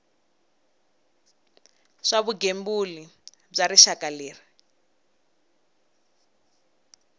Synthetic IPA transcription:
ʂaβuɡembuli | b͡ʐaɾiʃakaleːri

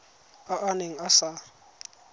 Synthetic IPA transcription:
aʔaneŋ̩asa

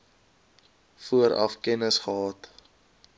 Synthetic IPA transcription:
fuəɾɐ̰fkɛnəsχəɦɑːt

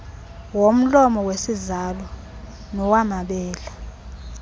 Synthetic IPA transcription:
wom̩lɔmɔwesizalɔ | nɔwamaɓɛːla

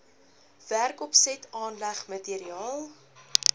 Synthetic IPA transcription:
værkɔpsɛtʰɑːnlæχmətiɾiɑːlˠ

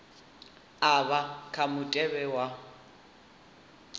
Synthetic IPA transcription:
aβakʰamʊtʼɛbɛwa

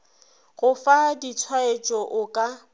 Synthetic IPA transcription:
ɣʊfadit͡sʰwaet͡ʃʼɔʔʊkʼa

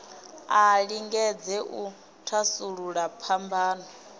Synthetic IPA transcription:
aɺiŋɡɛd͡zɛʔu | tʰasuɺuɺapʰambaːnɔ

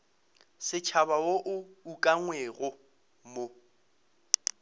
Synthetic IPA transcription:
sɪt͡ʃʰaβaoʔʊukʼaŋwɛɣʊ | mo

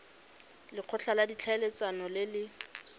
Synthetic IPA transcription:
lɪq͡χʰʊɬʰaladit͡ɬʰaelet͡sʼwanɔlɪlɪ

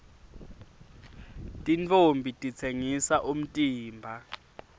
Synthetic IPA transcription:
tʼint͡fʰʼombʱitʼit͡sʰeŋisaʔum̩tʼiːmbʱa

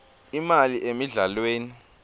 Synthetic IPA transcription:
imaliʔemiɮalweːni

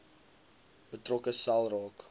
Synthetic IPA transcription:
b̥ətrɔkəsɐlˠrɑːk

